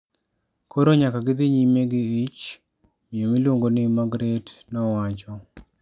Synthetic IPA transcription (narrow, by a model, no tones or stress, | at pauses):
kʰoɾoɲakaɡɪd̪ɪɲimeɡɪɪt͡ʃ | mɪomilwoŋɡonɪmaɡɾednɔwat͡ʃɔ